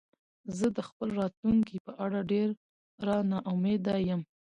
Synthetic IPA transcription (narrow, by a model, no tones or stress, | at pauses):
zəd̪əxpəlɾɑt̪luŋkipəʔaɽaɖeɾ | ɾɑnɑʔʊmed̪ɑjəm